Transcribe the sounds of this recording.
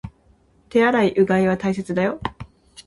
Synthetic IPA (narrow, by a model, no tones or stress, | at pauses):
t̪e̞aɾaiʔɯ̟ɡãiβat̪ais̬e̞t͡sɨd̪ajo̞